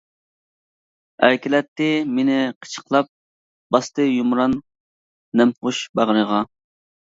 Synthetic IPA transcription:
æɾkʲilɛt̪ːɪmenɪqʰə̥t͡ʃʰə̥qlˠɑp̚ | b̥ɑst̪ɨjumɾɑnː | ɛmʁʊʃbɑʁəɾəʁɑ

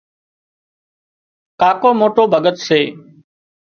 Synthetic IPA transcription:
kaːkoːmoːʈoːbʱəɠət̪seː

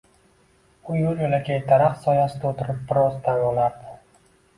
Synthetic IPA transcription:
ʊjʊljolakʲʰajt̪ʰaɾaχsɒjasɪd̪aot̪ʰɪɾɪp̚bɪɾɒzt̪ʰanɒlaɾd̪ɪ

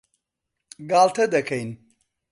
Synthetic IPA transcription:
ɡaːlt̪ʰɐd̪ɐkʰɐjn

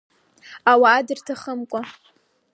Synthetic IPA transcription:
awaːdɨrtʰaχəmkʷʼa

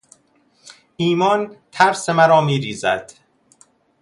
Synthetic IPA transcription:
ʔiːmɒːnt̪ʰæɾsemæɾɒːmiːɾiːzæ̰d̪̥

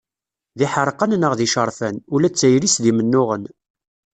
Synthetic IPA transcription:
ðiħəɾˤqənnəʁðiʃəɾˤfænulæt͡sːæjɾisðimənːʊʁən

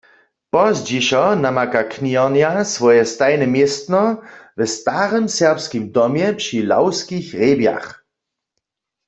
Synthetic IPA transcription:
pɔzd͡ʒiʃɔnamakakʰniɔʁnjasʋɔjɛst̪ajnɛmjɛst̪nɔvɛst̪aːʁɛmsɛʁpskimdɔmjɛpʃila̰wskixʁeːbja̰x

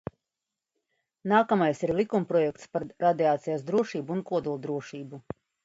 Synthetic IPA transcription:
naːkamajsiɾlˠikumpɾɔjɛk̚t̪spaɾɾad̪iaːt̪sijasd̪ɾuɔʃiːbuunkuɔd̪ulˠd̪ɾuɔʃiːbu

